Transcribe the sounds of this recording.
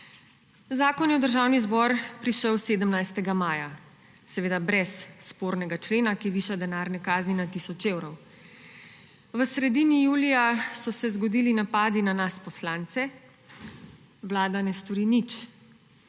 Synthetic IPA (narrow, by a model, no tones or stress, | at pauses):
zaːkɔnjɛɔwd̪əɾʒaːwnizbɔɾpɾiʃəwseːd̪əmnajst̪ɛɡamaːja | sɛʋeːd̪abɾɛsːpoːɾnɛɡat͡ʃleːnakiʋiːʃad̪ɛnaːɾnɛkaːzninat̪isɔt͡ʃeːwɾɔw | ʋəsɾɛd̪iːnijuːlijasɔsɛzɡɔd̪iːlinapaːd̪inanaspɔslaːnt̪sɛ | ʋlaːd̪anɛst̪ɔɾinit͡ʃ